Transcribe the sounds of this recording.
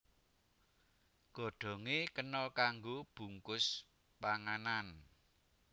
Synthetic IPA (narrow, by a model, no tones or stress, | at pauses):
ɡ̥ɔ̤ɖ̥ɔ̤ŋekənɔlkaŋɡob̥ṳŋkʊs | paŋanan